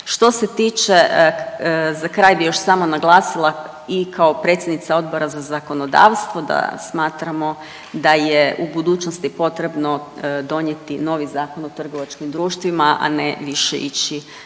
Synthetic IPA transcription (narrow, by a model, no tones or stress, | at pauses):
ʃt̪o̞se̞t̪iːt͡ʃe | zakɾaːjbijo̞ʃsaːmonaɡlˠaːsilˠa | ikʰao̞pɾe̞t̪sʲjed̪nit̪sao̞d̪bo̞ɾazazako̞no̞d̪a̰ːʋst̪ʋo̞d̪a̰smaːt̪ɾamo̞ | d̪ajeubud̪uːt͡ʃnost̪ipo̞t̪ɾe̞bno̞d̪o̞ɲjet̪ino̞ːʋizaːko̞not̪r̩ɡo̞ʋat͡ʃkimd̪ɾuːʃt̪ʋimaʔa̰neʋiʃḛit͡ʃi